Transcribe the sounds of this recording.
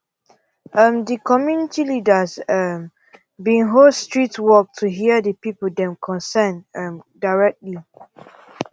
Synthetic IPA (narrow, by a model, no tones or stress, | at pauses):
ʔəmdəkʰɔmjunitilidəzəm | bĩnɦostɹitwɔk̚tʰuɦiədəpipədɛ̃mkʰɔ̃nsɛnmdaɹɛk̚tli